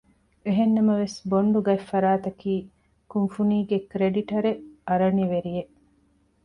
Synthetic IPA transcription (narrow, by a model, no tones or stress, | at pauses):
eɦenːɐmɐʋesboɳɖuɡɐefːɐɾaːt̪ɐkiː | kunfuniːɡekɾeɖiʈɐɾeɐɾɐniʋeɾijeʔ